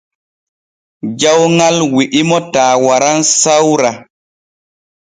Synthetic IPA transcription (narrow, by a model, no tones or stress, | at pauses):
d͡ʒawŋalwiʔimɔtaːwaɾansawɾa